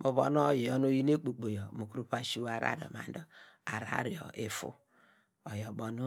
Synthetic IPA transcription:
mo˨βɔ̰˦n˦o˦ji˨jɔ˦no˦ji˦ne˦k͡po˨k͡po˨jɔ˨mu˨ku˦ɾu˦pa˨ʃi˦wa˨ɾa̰˦ɾɔ̰˨ma̰˨n˦dɔ˦ | a˨ɾa̰˦ɾi˨ɔ̰˨e˨fṵ˦ | ɔ˨jɔ˨bɔ˨nu˦

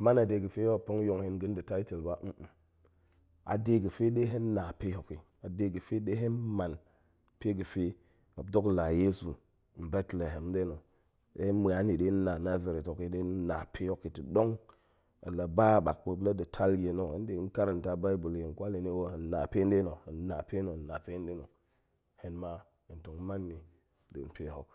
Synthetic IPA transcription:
ma˦na˨de˨ɡə˨fe˦o˦˨po˦ŋ˦jo˨ŋhi˦nɡə˦n˦də˨ta˦i˦te˨lba˦m̩˦ʔ̩˨ | a̰˨de˦ɡə˨fe˦ɗe˦ɦe˦nː˦a˨pe˦ho˨ki˨ | a˨de˨ɡə˨fe˦ɗe˦ɦe˦nma˨n | pe˦ɡə˨fe˦ | a˨b̚do˦kla˨je˦su˨ | m̩˨be˦tle˨ɦe˨m˦de˦no˨ | e˦hm˨a˨˦ni˨de˦n˦na˨na˦za˨ɾe˨to˨ki˦de˦n˦na˨pʰe˦jo˦ki˨ti˨do˦ŋ | a̰˨la˨ba˦˨ɓa̰˨k̚bə˨bla˦di˨tʰa˦lɡe˨no˨ḛ˦n˦de˨˦n˦ka˦ɾa˨n˨ta˦ba˦i˦bu˨lje˨n˨kʷa˦le˨ni˦wo˦˨n˨na˨pe˦n˦de˦no˨a˨n˦na˨pe˦no˨na˨pe˦de˦no˨ | he˨nma˦ | i˨to˨ŋ˦ma˦nːi˨ | dḛ˨n˦pe˦ho˨k

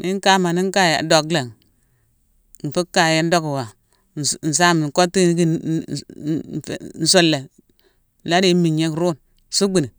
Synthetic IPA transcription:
nʔi˦ŋ˦ka˦ma˨ni˦ŋ˦ka˦ja̰˨do˨kle˨ŋ˨ | n̩˨fu˦kːa˨ja˦n˦do˦kwa˨ | n̩˨n̩˨s̬a˦m˨n˨ko˦tːi˦n˦ki˦˨ | n̩˨so˦lːe˨ | la˦di˦mi˨ɲe˦kɾu˦˨n˨ | su˦ɡ͡bi˨ni˨

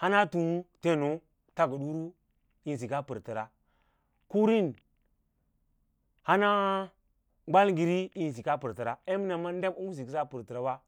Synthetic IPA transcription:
ha˦na˦tu˨˦te˦˨no˦ | ta˦ɡu˨ɗu˦ɾu˦ | i˨n˨s̬i˨ka˦pə˨ɾtə˨ɾa˨ | ku˦ɾi˦n | ha˦na˦ | ɡ͡ba˦lɡi˨ɾi˦i˦n˨s̬i˨ka˦pə˨ɾtə˨ɾa˨e˦mi˦na˨ma˦n˦de˦mu˦mu˦s̬i˨ki˦sa˦pu˨ɾtə˨ɾa˨˦wa˦

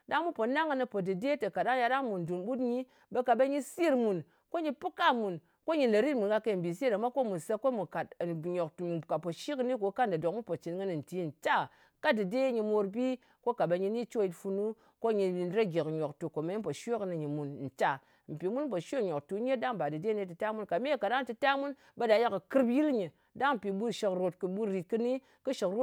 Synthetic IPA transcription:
da˦ŋmu˦po˨na˦ŋɨ˧nɨ˧po˨dɨ˨de˦te˨ka˨da˦ŋ˦ja˧ɗa˦ŋmu˨n˨du˨nɓu˦tɲi˦ | be˧ka˨ɓe˧ɲi˦˧si˦ɾmu˨n | ko˦ɲi˧pɨ˦ka˦mu˨n | ko˦ɲi˧le˨ɾi˦t̚mu˨nka˧ke˧˨m̩˨bi˨s̬e˦ɾa˨˦ma˦ko˦mu˨nse˧ko˦mu˨ka˨tɲo˨ktu˨ka˨po˨ʃi˦kni˦ko˨˦ka˦n˨dɨ˨do˨k̚mu˦po˨t͡ʃi˨tŋɨ˦nɨ˨n̩˨ti˨˦˨n̩˨t͡ʃa˦ | ka˦dɨ˨de˦ɲi˧mo˧ɾbi˦ | ko˦ka˨ba˧ɲi˧ni˦t͡ʃo˦˨ji˨tfu˧nu˦ | ko˦ɲi˧ɾa˦ɡʲe˨kɲo˨ktu˨ko˨me˦po˨ʃo˦knɨ˧˨ɲi˨mu˨nn̩˨t͡ʃa˨ | m̩˨pi˨mu˦n̩˦p̬o˨ʃo˦kɲo˨ktu˨˦ɲe˦da˦ŋba˨dɨ˨de˦ne˦tɨ˨ta˦mu˦nka˨me˦˨ka˨da˦ŋt͡ʃi˧ta˦mu˦n | ba˨˦da˧˦ja˦kɨ˨kɨ˦ɾpji˦ɾɲi˨ | da˦ŋm̩˨pi˨bu˦ʃi˧kɾo˨tkɨ˨ɓu˦ɾi˨t̚kɨ˧ni˦ | kɨ˦ʃi˨kɾo˦

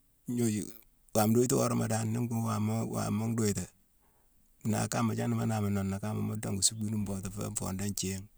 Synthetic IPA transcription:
ɲo˦d͡ʒḭ˨ | wa˨mdo˦i˦tu˦wo˦ɾo˦ma̰˨da˨nːi˦ŋɡu˦wa˨m˦wa̰˨ma˦ŋdo˦i˨ta˨ | na̰˨ka˦ma˨t͡ʃa˦ni˦ma˦na˨ma˨na˨nːa˨ka˦ma̰˨mo˦da˦ŋɡu˨su˦bi˦nu˦mbo˨ta˨fḛ˦ɱfo̰˨nda˦nt͡ʃe˦ŋ

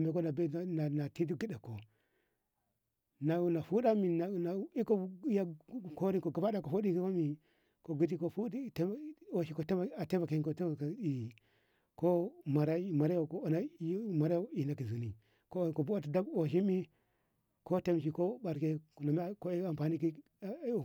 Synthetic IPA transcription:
na˨me˦ko˦na˨be˦˨na˨na˨ti˦ti˦ɡi˦da˨kːo˨ | na˨na˨fu˦da˦mi˨na˨na˨˦i˦ko˦ja˦˨ko˦ɾi˦ko˨ɡa˨ba˦da˨ko˨fo˦i˦ki˦o˦mi˨ | ko˨ɡu˦t̬i˦ko˦fu˦i˦te˦o˨ʃi˦ko˦te˦a˨a˨te˦va˨ke˨i˦ko˨te˦a˨ka˨˦i˨ | ko˦ma˨ɾa˦˨ma˨ɾa˦jo˨ko˨˦˨na˦ma˨ɾa˦jo˦˨i˨na˨ki˨zu˨ni˨ | ko˦˨ko˨bu˦a˦ti˨da˦bo˨ʃ̬i˦mi˦ | ko˦te˦mʃ̬i˨ko˦ɓa˨ɾke˦˨na˨mi˦˨ko˦a˨mpa˨ni˦ki˦˨

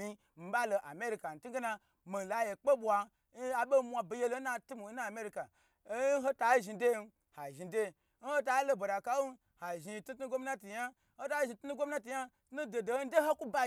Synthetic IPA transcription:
i˦ | m̩˨ba˦lo˨ʔa˨me˦ɾi˧ka˨n̩˨tu˦ɡe˦na˧ | mi˨la˨je˨k͡pe˦bʷa˧˦ | a˨be˦mʷa˧bi˨je˦lo˦na˧tu˦mu˨˦na˦a˨me˦ɾi˧˦ka˨˦ | ɦo˦ta˨˦ʒi˧de˦n˦ | ha˨ʒi˨de˦ | n̩˦ho˦t̬a˦lo˦bo˨ɾa˨ka˦u˦ | ha˨ʒi˨˧tu˦tɡʷo˦m˦na˦ti˨ja˦ | ho˦ta˦ʒi˧˨tu˦nu˦ɡʷo˦m˦na˦ti˨ja˦ | tnu˦do˨do˨˦de˦ho˦ku˦ba˦

